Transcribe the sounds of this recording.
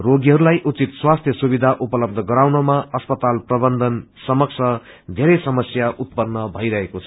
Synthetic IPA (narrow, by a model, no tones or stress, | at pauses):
roɡiɦʌɾulajʔut͡sit̪swast̪ʰjʌsubid̪ʱaʔupʌlʌb̚d̪ʱʌɡʌɾawnʌmaʌspʌt̪alprʌbʌnd̪ʱʌnsʌmʌk̚t͡sʰʌ | d̪ʱeɾʌjsʌmʌsjaʔut̪̚pʌnːʌbʱʌjɾʌɦekot͡sʰʌ̥